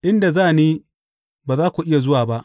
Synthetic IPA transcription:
ʔɪ˦nda˨zaː˦˨niː˦ | baː˨zaː˦kʷu˨ʔɪ˦ja˨zʊ˦waː˨ba˦ʔ

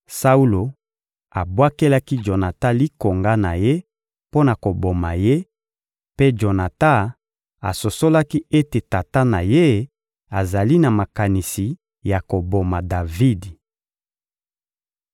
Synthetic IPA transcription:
sa˦u˦lo˨ | a˨bwa˦ke˦la˦ki˦d͡ʒo˨na˨ta˦li˦ko˨ŋɡa˦na˨je˦ | po˦na˨ko˨bo˨ma˨je˦ | pe˦d͡ʒo˨na˨ta˦ | a̰˨so˨so˦la˦ki˦e˦te˨ta˨ta˦na˨je˦ | a˨za˨li˦na˨ma˨ka˨ni˨si˨ | ja˨ko˨bo˨ma˨da˨vi˦d

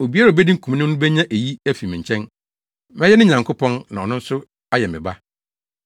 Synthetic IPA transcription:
o˨bi˦a˦ɾa˨bɛ˦dĩ˦ŋ̩˦kʰũ˨mnʊ̃˦nʊ̃˦bɛ˦ɲã˦ʔe˨ji˦æ˦fi˨mɪ̃˨ɲ˨t͡ɕʰɛ̃˦n | mɛ̃˦jɛ˦n˦ɪ̃˦ɲã˨ŋkʰʊ˦pʰɔ̃˦nnã˨ɔ˨nʊ̃˦n̩˦sʊ˦ | a˦jɛ˨mɪ̰̃˨ba˦

